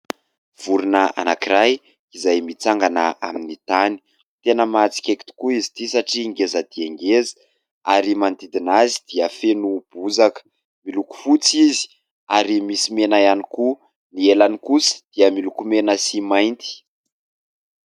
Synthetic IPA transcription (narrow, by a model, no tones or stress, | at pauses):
v̥uɾinəa̰nakiɾaj | izajmit͡saŋɡanəa̰minit̪ani̥ | t̪enəmat͡si̥kʲeki̥t̪u̥kuizit̪isaʈ͡ʂiŋɡezad̪̥ieŋɡezə̥ | aɾimand̪id̪inazid̪̥iəfenub̥uzakə̥ | miluku̥fut͡sizi̥ | aɾimisimenajaniku | nielanikusə̥d̪̥iəmilukumenəsimajnt̪i̥